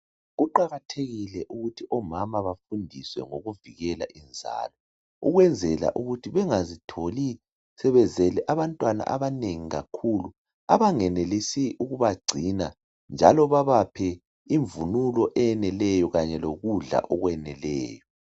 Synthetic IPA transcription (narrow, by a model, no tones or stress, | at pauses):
ɣuǃaɣatʰeɣilɛʔuɣutʰiʔɔmamaβafundʱiswɛŋoɣuviɣɛla̰ʔind͡zʱa̰ːlɔ | uɣwɛnd͡zʱɛla̰ʔuɣutʰiβɛŋazitʰoli | sɛβɛzɛlɛʔaβantʼwana̰ʔa̰βaneŋiɣa̰kʰulu | a̰βaŋɛnelisiʔuɣuβaɡ͡ǀʱina | nd͡ʒʱa̰lɔβaβapʰɛ | iɱvunulɔʔɛnɛlɛjɔɣaɲɛloɣuɮa̰ʔɔɣwɛnɛlɛ̰ːjɔ